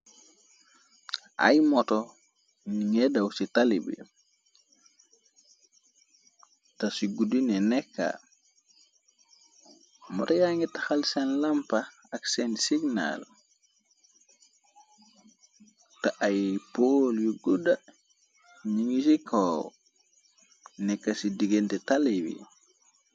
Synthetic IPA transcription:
ʔa̰jmɔtɔ | ɲiŋɛdawsitalibḭ | tasiɡudinɛnɛkːa̰ | mɔtajaŋitaxalsanlampa | aksɛntsiɡna̰l | taʔajpoljuɡuda | ɲiŋisikʰɔ | nɛkːasidiɡentɛtalibḭ

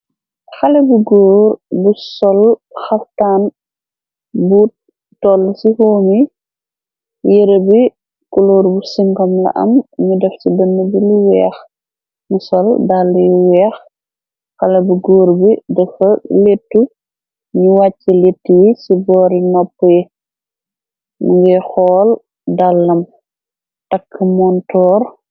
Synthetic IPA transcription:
xɐlɐbuɡoːɾbusɔlxɐftaːn | buːt̚ː | ɔlːsihoːmi | jeɾəbi | kuloːɾbusiŋɡɔmlɐ̰ʔɐ̰mɲudɛfsidɐnːəbiliwɛːx | nusɔldalːijiwɛːx | xɐlɐbiɡoːɾbidɐfɐletːu | ɲuwat͡ʃːɐletːijisibɔːɾinɔpːɛ | muɡɛxɔːl | dalːɐm | takʰːəmɔntɔːɾ

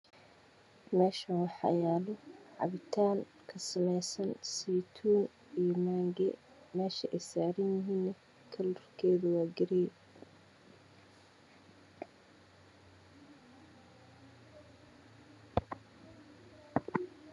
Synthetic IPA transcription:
mɛːʃɐwɑħɑ̰jaːlɔʕɑ̰βɪt̪ʰaːŋ | kʰɐsɐmɛjsɐnsiːt̪ʰuːn | ijɔmaːŋɡɛ | mɛːʃɐʔɛjsaːɾɐnjɪɦiːnːɛ | kʰɐlɔrkʰɛːðʊwaːɡɪɾɛj

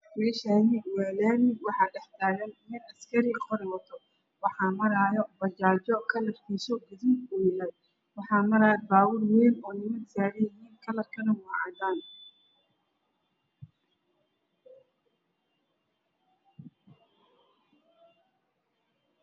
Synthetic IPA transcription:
mɛːʃaːnɪwɛːlɛːnɪwɑħɑːɖɛħt̪ʰaːɣɐnmɪnɐskʰɐɾɪqʰɔɾɛwɐt̪ʰɔ | wɑħɑːmɐɾaːjɔbɐt͡ʃaːt͡ʃɔkʰɐlɐrkʰiːsɔɡɐðiːd̪ʊjɪlɛj | wɑħɑːmɐɾaːjɔbaːwʊljɪhiːnɔːnɪmɐdsaːɾɪjɐɦiːnkʰɐlɐrkʰɐnɐwɑːʕɑ̰d̪aːn

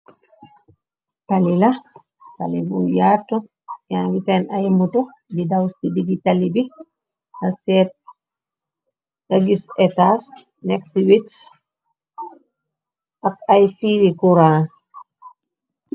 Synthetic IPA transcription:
talilɐ | talibujaːtːu | janwitɛnajmutu | didawsidiɡitalibi | ɡasɛːt̚ | ɡaɡisɛtas | nɛksiwit | ʔɐk̚ajfiːɾikuɾaːn

